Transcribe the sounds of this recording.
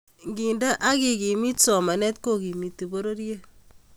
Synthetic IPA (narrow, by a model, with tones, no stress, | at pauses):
ŋɡi˨nda˦ʔa˦ki˨ɡi˨mi˦tsɔ˨ma˨nɛ˦tko˦ki˨mi˨tːi˨bo˦ɾo˦ɾe˦